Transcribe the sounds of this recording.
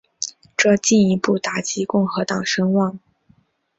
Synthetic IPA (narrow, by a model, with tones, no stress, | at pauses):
ʈ͡ʂɤ˥˧t͡ɕi˥˩ni˧˥pu˥˩t̪a˨˩t͡ɕi˧˥kʊ˥˩ŋxɤ˧˥t̪ɑ˨˩ŋʂɤ˥ŋwɑ˥˩ŋ